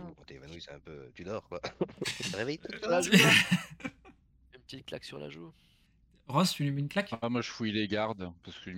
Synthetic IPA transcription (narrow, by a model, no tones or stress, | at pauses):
kɑ̃t̪yevanwisɛɛ̃pøt̪yd̪ɔːʁkwat̪əʁevɛjt̪ula | npət̪it̪̚kla̰ksyʁla̰ʒu | ʁɔ̃st̪ylymynklakamwaʒəfujileɡaʁd̪paʁsə̥kəl